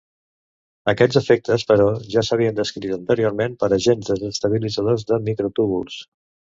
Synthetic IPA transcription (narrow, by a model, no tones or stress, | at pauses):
əkɛd͡zzəfek̚t̪əspəɾɔʒasəβ̞iənd̪əskɾit̪ənt̪əɾioɾmempəɾəʒenzðəzəst̪əβ̞ilidd͡zəðozðəmikɾot̪uβṵlˠs